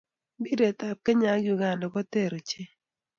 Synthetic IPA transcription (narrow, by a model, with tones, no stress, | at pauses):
bi˦de˨ta˨p̚ke˦ɲa˨˦ɡju˨ɡa˨ndɔ˨kɔ˦te˦˨ɾo˨t͡ʃe˦